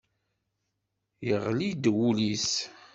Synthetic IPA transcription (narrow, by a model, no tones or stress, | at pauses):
jəʁlid̪wulis